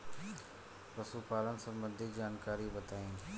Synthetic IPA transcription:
ɾɐsuːpaːlənɪ̆sɐ̃mbə̃nd̪ʱid͡ʑaːnkaːɾibɐt̪aːĩː

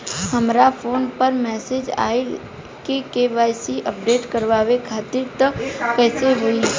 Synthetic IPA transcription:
hɐmɾafʰoːnpəɾmɛːsed͡ʒa̰ːi | kekeːʋaːɪsiʔəp̚ɖeːʈkəɾʋaːʋekʰaːt̪ɪɾt̪əkɛːseɦʊi

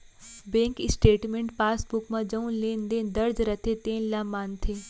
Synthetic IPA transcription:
bẽːŋkɪsʈeːʈmẽɳʈpaːsbʊkmãd͡ʒɐ̃ũlẽːnd̪ẽd̪ɐɾd͡ʒɾɐt̪ʰet̪ẽːlaːmaːnt̪ʰẽː

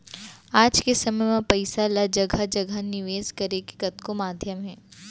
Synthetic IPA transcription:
aːd͡ʒkesɐməjmãpɐɪsalad͡ʒɐɡʱad͡ʒɐɡʱanɪʋeːzkɐɾeke̥kɐt̪komaːd̪ʱjəmɦɛː

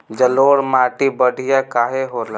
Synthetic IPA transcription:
d͡ʒəloːɽmaːʈibəɽʱijakaːɦeɦoɾla

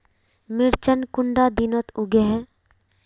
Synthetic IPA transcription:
mɪɾt͡ʃənkʊɳɖad̪inət̪ʊɡeɦɛ

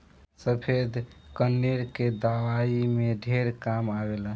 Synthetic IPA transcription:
səpʰed̪ʱkənːeɾked̪aʋaimeɖʱeɾkamaɡela

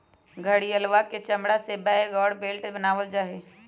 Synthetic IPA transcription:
ɡʱəɽiəlʋaket͡ʃəmɽasebaeɡɔːɽbeːlʈebənaːʋəld͡ʒaːɦe

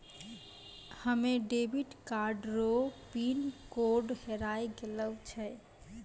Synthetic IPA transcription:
həmeɖebʱiʈkaɾɖɾopinkoɖheɾajɡeləwt͡ʃʰɛ

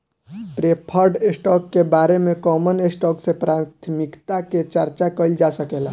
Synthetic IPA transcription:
pɾepʰəɾɖesʈɔːkːebaːɾemẽkɔːmənesʈɔːksepɾaːt̪ʰmɪkt̪aket͡ʃəɾt͡ʃakəld͡ʒasəkela

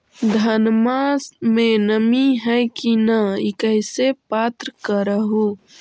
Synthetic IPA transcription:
d̪ʱənmasmenəmiɦɛjkinəikəɦsepat̪ɾəkəɾəɦu

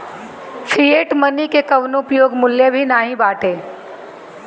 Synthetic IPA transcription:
fʰieːʈmɐnikekɐʋnopjoːɡmʊljəbʱinaːɦĩbaːʈeː

